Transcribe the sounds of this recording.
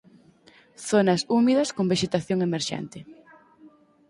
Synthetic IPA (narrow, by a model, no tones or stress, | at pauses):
θonɐsumiðɐskombeʃet̪aθjoŋemeɾʃɛ̰nt̪ɪ